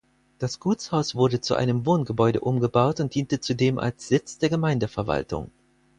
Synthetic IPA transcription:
d̥asɡ̥uːt͡shaʊsv̥ʊɐdət͡suʔa̰ɪnəmvoːnɡəbɔʏɾə̰ʔʊmɡəbaʊtʊnt̚d̥iːntət͡sudeːmʔa̰lsz̥ɪt͡sd̥eːɐɡəmaɪndəfɛɐva̰ltʊ̰ŋ

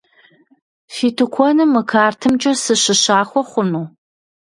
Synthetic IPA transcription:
fiːtʰɨkʷʰɔnɨmːɨkʰaːrtʰɨmt͡ʃʼɐsɨɕɨɕaːxʷɔχʷʊnuː

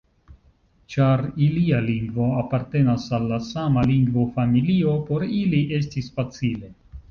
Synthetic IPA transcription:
t͡ʃaɾilialiŋɡvo̞apaɾte̞nasalːasamaliŋɡvo̞familio̞po̞ɾiliʔe̞s̬tisfat͡sile̞

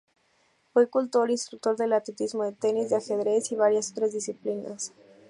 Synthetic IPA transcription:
fwekult̪o̞ɾinst̪ɾuk̚t̪o̞ɾðelat̪let̪izmo̞ðet̪enizðeaxeðɾesiβaɾjasot̪ɾazðisiplina̰s

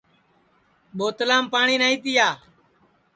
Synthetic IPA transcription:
ɓoːt̪əlaːmpaːɳiːnaːĩːt̪ɪjaː

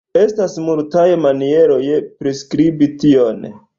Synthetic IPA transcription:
e̞stasmultajemanie̞ɾo̞jepɾeskɾibition

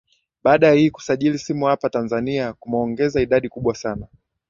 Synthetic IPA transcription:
ɓaːɗajahiːku̥saʄilisimuhapatanzaniakumɔŋɡɛzaiɗaɗikuɓwasana

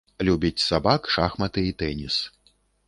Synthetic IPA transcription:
lʲubʲit͡sʲsabakʂaxmɐt̪ɨit̪ɛnʲis

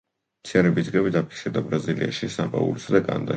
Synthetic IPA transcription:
t̪sʰiaɾɛbisd̪ɡabit̪ʰapʰi̥ksiɾd̪abɾazilia̰ʃisapʼa̰ṵlisad̪akʼa̰nad̪a

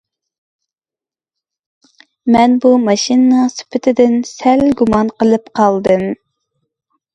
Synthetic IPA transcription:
mɛnbumɑʃinnəŋsy̥pʰɪt̪ʰɪd̪ɪnsɛlɡumɑnqəlˠɨpqʰɑlˠd̪ɨm

